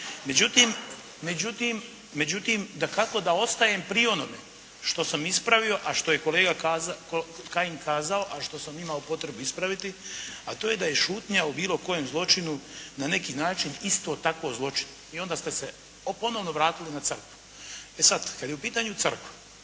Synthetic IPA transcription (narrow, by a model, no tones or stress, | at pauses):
me̞d͡ʑut̪iːmː | e̞d͡ʑut̪imː | e̞d͡ʑut̪imd̪akako̞d̪ao̞st̪aje̞mpɾio̞no̞mḛ | ʃt̪o̞samispɾaʋio̞ʔaʃt̪o̞je̞ko̞leːɡakazkokajinkaːzaoʔaʃt̪o̞samimaopo̞t̪ɾe̞buispɾaʋit̪iat̪oːje̞d̪aje̞ʃuːt̪ɲaubiːlˠo̞ko̞jemzlˠo̞t͡ʃinunane̞kiːnaːt͡ʃinist̪o̞ːt̪akʋozlˠo̞t͡ʃi̥n | io̞nd̪aːst̪e̞se | po̞no̞ʋno̞ʋɾaːt̪ilinat̪sər̩kʋu̥ | e̞sad̪kad̪jeupiːt̪aːɲuər̩kʋu